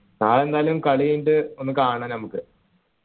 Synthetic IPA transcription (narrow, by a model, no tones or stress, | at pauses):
naːɭe̞nd̪aːlumkɐɭijiɳɖɨonːɨkaːɳɐːnɐmukːɨ